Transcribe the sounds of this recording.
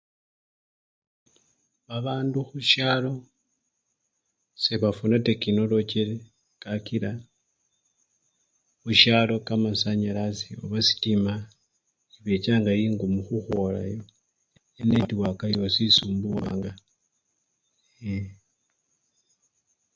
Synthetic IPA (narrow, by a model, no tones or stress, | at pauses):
βaβaːnduxuʃalo̞ | seβafunatekino̞lo̞ceɾe | kakiɾa | xuʃalo̞kamasaɲaɾasio̰βasi̥tima | iβe̞caːŋɡajiːŋɡumuxuxola̰jo | enetiwakajo̞sisuːmbuwa̰ːŋɡa | e